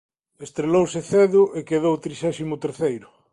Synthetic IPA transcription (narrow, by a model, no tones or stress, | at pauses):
est̪ɾelowseθeðʊʔekeðowt̪ɾisɛsimʊt̪eɾθejɾʊ